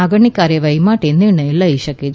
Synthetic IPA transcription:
ɐɡɐɳːikːaːɾjeʋɐjmaːʈːenːiɳɐilːɐiɕɐkːi

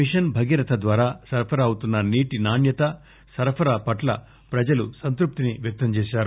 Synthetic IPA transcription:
iʂɐnbʱɐɡiɾɐt̪ʰɐd̪ʋaːɾaːsɐɾpʰɐɾɐːwut̪unːɐniːʈinaːnjɐt̪ɐ | sɐɾpʰɐɾɐpɐʈlɐ̰ | pɾɐd͡ʒɐlusɐnt̪ɾup̚t̪iniʋjɐk̚t̪ɐmt͡ʃɛːʃaːɾu

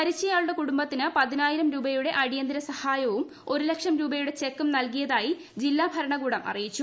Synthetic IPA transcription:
pɐɾit͡ɕːɐjaːɭuɽɐkuɽumbɐt̪ːinɨpɐðinaːjiɾɐmɾuːbɐjuɽe̞ʔɐɽijɐnd̪iɾɐsɐhaːjɐʋum | o̞ɾulekʂɐmɾuːbɐjuɽe̞t͡ɕe̞kːumnɐlkijɐðaːji | d͡ʑilːaːbʱɐɾɐɳɐɡuːɽɐmʔɐ̰rijit͡ɕːu

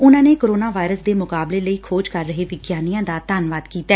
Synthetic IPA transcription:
ʊnãːneːkoɾoːnaːʋaːɪɾəsd̪eːmʊkaːbleːləiːkʰoːd͡ʒkəɾːəɦeːʋɪɡjaːnijãːd̪aːt̪aːnʋaːd̪kiːt̪ɛː

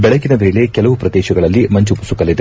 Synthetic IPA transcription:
bɛɭɐɡinɐʋeːle̞kɛlɐʋupɾɐd̪ɛːʃɐɡɐɭɐlːimɐɲt͡ʃupusukɐlːid̪e

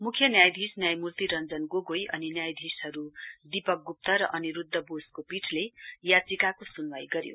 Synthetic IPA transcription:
mukʰjʌnjajd̪ʱisnjajmurt̪iɾʌnd͡zʌnɡoɡojʌninjajd̪ʱisɦʌɾud̪ipʌk̚ɡup̚t̪ʌɾʌʔʌniɾud̪ːʌboskopiʈʰlejat͡sikakosunwajɡʌɾjo̰

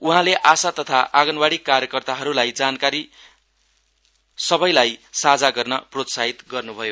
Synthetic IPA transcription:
uɦãleʔasat̪ʌt̪ʰaʔaɡʌnbaɽikːarjʌkʌrt̪aɦʌɾulajd͡zankaɾi | sʌbʌjlajsad͡zaɡʌrnʌprot̪saɦit̪ɡʌrnubʱʌjo

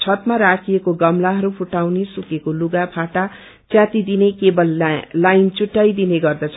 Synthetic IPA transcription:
t͡sʰʌt̪maɾakʰijekoɡʌmlaɦʌɾupʰuʈawnesukekoluɡapʰaʈa | t͡sjãt̪id̪inekebʌlːajnt͡suʈːajd̪ineɡʌrd̪ʌt͡sʰʌ

